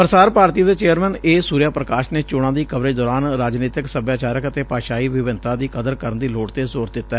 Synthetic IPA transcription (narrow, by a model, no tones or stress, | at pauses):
pəɾsaːɾpaːɾt̪iːd̪eːt͡ʃeːəɾmɛ̃ːneːsuːɾjaːpɾəkaːʃneːt͡ʃoːɽ̃ãːd̪iːkəʋɾeːd̪ɔːɾaːnɾaːd͡ʒneːt̪ɪksəbjaːt͡ʃaːɾəkət̪eːpaːʃaːiːʋɪʋɪnt̪ãːd̪iːkəd̪əɾkəɾənd̪iːloːɽt̪eːzoːɾd̪ɪt̪ːɛː